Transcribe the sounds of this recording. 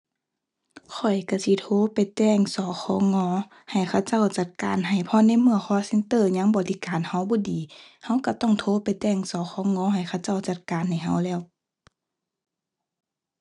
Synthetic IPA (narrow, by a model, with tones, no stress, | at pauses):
kʰɔ˨˩jka˧˩si˧˦t̪ʰoː˧˥˦pa˨jt̪ɛː˧˩˨ŋsɔː˨˦xʰɔː˧˦ŋɔː˧˦ | ha˨˩jkʰa˧˥˩wt͡ɕa˥˨wt͡ɕa˧˩t̪̚ka̰ː˨˦nɦa˨˩jpʰɔ˧˥na˧˥˨jmɯ˧˩əxʰɔː˧˥se˧˥nt̪ɤː˧˨ɲa˧˥ŋbɔː˧˦lʰi˧˦˨kaː˨nha˧˥wbɔː˧˦diː˨˦ha˧˥˨wka˧˩t̪ɔ˧˥˨ŋt̪ʰoː˧˦pa˨jt̪ɛː˧˩˨ŋsɔː˨˦xʰɔː˧˥ŋɔː˧˥˦ɦa˨˩jkʰa˧˥˩wt͡ɕa˥˩˨wt͡ɕa˧˩t̪̚kaː˨nha˨˩jɦa˧˩wlɛː˧˩˨w